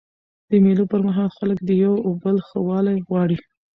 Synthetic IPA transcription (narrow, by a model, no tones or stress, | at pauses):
d̪̥əmelopəɾmaɦɑlxalək̚d̪əjawobəlxəwɑlajɣwɑɽi